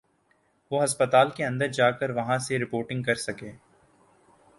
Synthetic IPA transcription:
ʋoːɦɐspət̪aːlkeɐ̃nd̪əɾd͡ʒaːkəɾʋɐɦãseɾɪpoːɾʈɪ̃ŋɡkɐɾsɐkeː

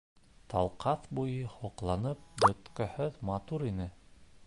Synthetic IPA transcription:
t̪ɑ̰lˠqɑθbujɤhoqlˠɑnɤp̚bɵ̆t̪kæ̆hɵðmɑt̪uɾinɘ

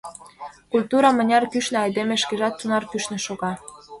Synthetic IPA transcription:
kulʲt̪uɾɑmə̆nʲɑrkyʃnĕɑjd̪emĕʃkeʒɑt̪ːunɑrkyʃnĕʃoɣɑ

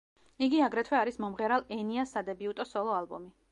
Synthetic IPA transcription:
iɡiaɡɾɛt̪ʰwɛaɾismɔmʁɛɾalˠɛniasːad̪ɛbiut̪ʼɔsɔlˠɔalˠbɔ̰mi

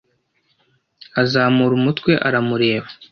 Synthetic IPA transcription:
azaːmuɾumutkwe̞ʔaɾamuɾe̞ːβa

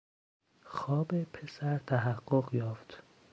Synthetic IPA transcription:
xɒːbepʰesæɾt̪ʰæɦæɢːoɢjɒːft̪

